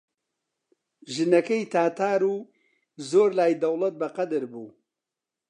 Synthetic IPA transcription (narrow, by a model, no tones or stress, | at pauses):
ʒɨnɐkɐjt̪ʰaːt̪ʰaːɾuː | zoːɾlaːjd̪ɐwlˠɐt̪̚bɐqɐd̪ɨɾbuː